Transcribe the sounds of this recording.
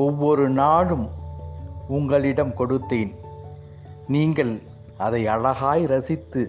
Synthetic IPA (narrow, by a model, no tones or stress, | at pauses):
ɔʋːɔɾɯnaːɻɯm | ʊŋɡɐɭɪɽɐmkɔɽɯt̪ːeːn | niːŋɡɐɭ | ɐðɐɪɐɻɐɣaːjɾɐsɪt̪ːɯ